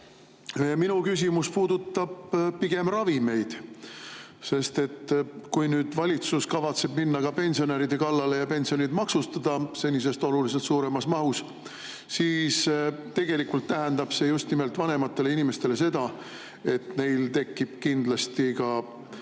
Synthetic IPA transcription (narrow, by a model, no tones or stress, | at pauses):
minukys̬ʲimuspuːd̪̥ut̪ːˑɑb̥piɡ̥e̞mrɑvime̞jd̪̥ | se̞st̪e̞t̪ːkujnyːd̪̥vɑlʲit̪suskɑvɑt̪se̞b̥minːɑkɑpe̞nʲsio̞neɾid̪̥e̞kɑlːɑle̞jɑpe̞nsio̞nid̪mɑksust̪ɑd̪̥ɑse̞nʲːis̬e̞st̪o̞lulis̬e̞lt̪suːɾe̞mɑsmɑɦus | siːst̪e̞ɡ̥e̞likult̪ːæɦend̪ɑb̥se̞just̪nime̞lt̪vɑne̞mɑt̪ːe̞le̞inime̞st̪e̞le̞se̞d̪ɑ | e̞t̪ne̞jlt̪e̞kːˑib̥kind̪lɑst̪ikɑ